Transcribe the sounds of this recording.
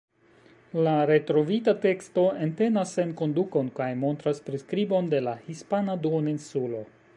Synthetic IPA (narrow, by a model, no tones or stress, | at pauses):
laɾe̞tɾo̞vitate̞kstoe̞nte̞nasːe̞nko̞nduko̞nkajmo̞ntɾaspɾiskɾibo̞nde̞lahispanaduoninsulo̞